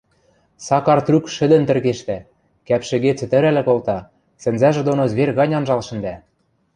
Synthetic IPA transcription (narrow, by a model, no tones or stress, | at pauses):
sɑkɑrt̪rykʃɘ̆d̪ɘ̆nt̪ɘ̆rɣeʃt̪æ | kæpʃɘ̆ɣet͡sɘ̆t̪ɘ̆ɾælɘ̆kolt̪ɑ | sɘ̆nzæʒĕd̪onozβerɣɑnʲɑnʒɑlʃɘ̆nd̪æ